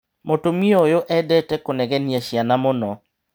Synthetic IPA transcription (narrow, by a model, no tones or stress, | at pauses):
motomiojoʔɛdɛtɛkonɛɡɛniaʃjanamɔnɔ